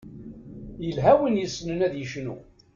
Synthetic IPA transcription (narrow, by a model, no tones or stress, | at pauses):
jəlɦæwinjəsːnənæðjəʃnṵ